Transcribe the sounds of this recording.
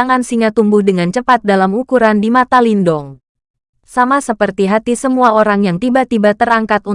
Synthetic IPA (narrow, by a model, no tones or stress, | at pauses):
aŋansiŋat̪umbʊhdəŋant͡ʃəpat̪̚dalamukuɾandimat̪alindɔŋ | samasəpərt̪iɦat̪isəmuaoɾaŋjaŋt̪ibat̪ibat̪əraŋkat̪u